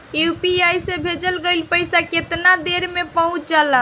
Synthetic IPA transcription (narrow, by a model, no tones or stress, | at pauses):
jupiajsebʱed͡ʒəlɡəlpəjsaket̪nad̪eɾmepəɦũt͡ʃd͡ʒala